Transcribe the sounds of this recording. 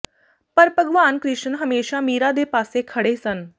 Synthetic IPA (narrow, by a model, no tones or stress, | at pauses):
pəɾpəɡʋaːnkɾɪʃənɦəmeːʃaːmiːɾaːd̪eːpaːseːkʰəɽeːsən